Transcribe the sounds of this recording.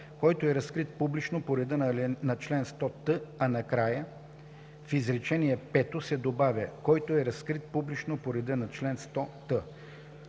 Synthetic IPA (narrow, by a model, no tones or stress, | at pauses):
kɔjt̪oɛɾɐskɾit̪̚publit͡ʃnopoɾɛd̪ənlnɐt͡ʃlɛnst̪ɔt̪əɐnɐkɾajə | fizɾɛt͡ʃɛniɛpɛt̪osɛd̪obavʲjɐkɔjt̪oɛɾɐskɾit̪̚publit͡ʃnopoɾɛd̪ənɐt͡ʃlɛnst̪ɔt̪ə